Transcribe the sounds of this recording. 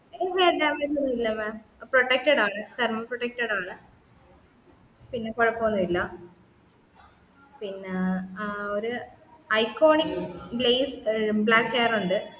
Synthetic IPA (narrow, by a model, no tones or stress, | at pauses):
eʋeːɾɖaːmed͡ʑonːuilːɐmaːmproʈːek̚ʈɐɽaːɳɨt̪ermɐproʈːek̚ʈɐɽaːɳɨ | pinːekoɻɐpːoːnːɐʋilːɐ | pinːe | oɾu | ɐjkːo̞ːɳikblejsbɭaːkheːɐruɳɖɨ